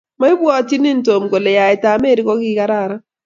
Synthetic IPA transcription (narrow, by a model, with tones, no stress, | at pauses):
ma˦ɪ˦bwɔ˦˨ti˦ni˦n˦to˨mko˨lɛ˨ja˨ɛ˨ta˨me˦ɾi˦kɔ˦kɪ˦ka˦ɾa˦˨ɾa˦